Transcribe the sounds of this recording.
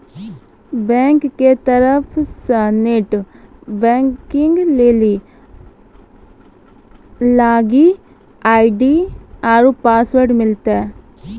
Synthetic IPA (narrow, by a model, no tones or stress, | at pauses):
bɛ̃ːŋkːet̪əɾəpʰsəneʈbɛ̃ːŋkɪŋɡleːli | laːɡi | aːiɖiaɾupaːsʋəɾɖmɪlt̪ɛ